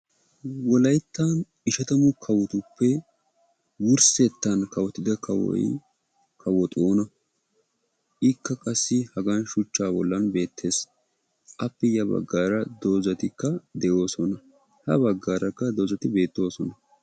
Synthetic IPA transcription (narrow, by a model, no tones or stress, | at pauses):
wɔlɐjt̪ːan | ɪʃɐt̪ɐmʊkʰɐwɔt̪ʊpːɛ | wʊɾsɛt̪ːɐnkɐwɔt̪ɪd̪ɐkʰɐwɔ̰j | kʰɐwɔt̪ʼoːnɐ | ʔɪkːɐkʼɐsːɪhɐɡɐnʃʊt͡ʃːaːbɔlːɐnbe̞ːt̪ʰːe̞ːs | ʔɐpːɛjɐbɐ̰ɡːaːɾɐd̪oːzɐt̪ɪkːɐd̪ɛʔo̞ːsɔnɐ | hɐbɐɡːaːɾɐkːɐd̪oːzɐt̪ɪbe̞ːt̪ːo̞ːsɔnɐ